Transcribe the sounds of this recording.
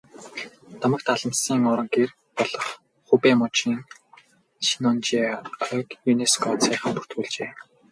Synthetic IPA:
t̪ɔmə̆k̚t̪aɮə̆msiːŋɔɾə̆ŋɡer | pɔɮɞ̆χ | χupeːmɔt͡ɕiːŋ | ʃinɔnt͡ɕiːœkjuneskʰɔt͡sʰæːχə̆mpu̥r̥t̪xuːɮt͡ɕeː

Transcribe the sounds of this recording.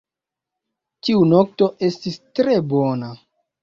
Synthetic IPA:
tiunok̚to̞ʔe̞stistɾe̞bona

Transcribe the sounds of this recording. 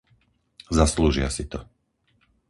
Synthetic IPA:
zasluʒɪa̰sit̪ɔ

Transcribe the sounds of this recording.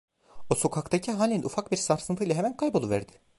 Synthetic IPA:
oso̞kʰakt̪acʰiɦaːlʲinnʔufak̚biɾsaɾsɯnt̪ʰɯjlˠaɦemænkʰajbo̞lˠuvæ̰ɾd̪ɪ̥

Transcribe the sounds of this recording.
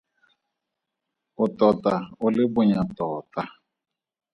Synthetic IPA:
ʊtɔtaolɪbʊɲatɔta

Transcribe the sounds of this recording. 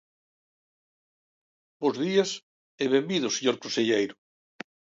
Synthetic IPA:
bozðiɐs | eβembiðʊseɲoɾkõnseʎejɾʊ

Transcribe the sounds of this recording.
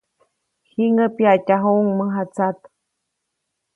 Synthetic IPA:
hiŋəpiacaɦoŋməɦat͡sat̪

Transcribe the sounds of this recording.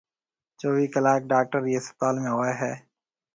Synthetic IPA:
t͡ʃoːʋiːkəlaːk̚ɖaːk̚ʈəɾiːɪsət̪aːlmẽːɦoːeːɦɛː

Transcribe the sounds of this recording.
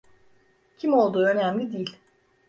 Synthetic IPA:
cʰimo̞lˠd̪uːø̞næmlʲid̪ijilʲ

